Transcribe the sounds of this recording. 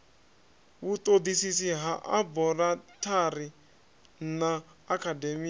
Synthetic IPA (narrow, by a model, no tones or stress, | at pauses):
βut̪ʼod̪isisiɦaʔabɔratʰari | naː | kʰademia